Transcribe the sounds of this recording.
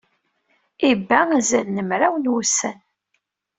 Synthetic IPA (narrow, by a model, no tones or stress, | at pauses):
ibːææzælnəmɾæwənwusːən